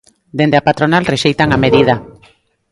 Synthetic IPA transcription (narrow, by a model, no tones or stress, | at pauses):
d̪end̪eapat̪ɾonalreʃejt̪aŋameðið̞a